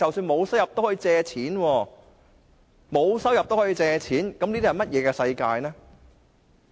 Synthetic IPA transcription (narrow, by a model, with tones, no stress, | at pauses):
t͡sɐ˨wsyː˧nmo˨˧wsɐ˥wjɐ˨p̚t̪o˥whɔː˨˥i˧t͡sɛː˧t͡sʰiː˨˥nwɔː˧ | mo˨˧wsɐ˥wjɐ˨p̚t̪o˥hɔː˨˥i˧t͡sɛː˧t͡sʰiː˨˥nkɐ˧˥mniː˥d̪i˥ɐ˨˩jmɐ˥t̚jɛː˨˧kɛː˧sɐ˧jkaː˧jnɛː˥